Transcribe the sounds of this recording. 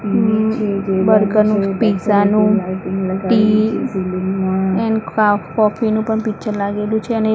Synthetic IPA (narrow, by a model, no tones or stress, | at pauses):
ʋəɾɡənũpisanũ | ʈi | ɛnakɔfinũpəɳpit͡ʃʰəlaɡelũt͡ʃʰeəne